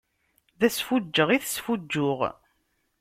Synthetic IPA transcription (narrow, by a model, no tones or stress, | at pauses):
ðæsfud͡ʒːəʁiθsfud͡ʒːʊʁ